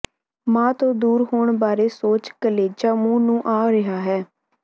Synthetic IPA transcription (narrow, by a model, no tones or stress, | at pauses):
mãːt̪õːd̪uːɾɦoːɳbaːɾeːsoːt͡ʃkəleːd͡ʒaːmũːnũːʔaːɾɪɦaːɦɛː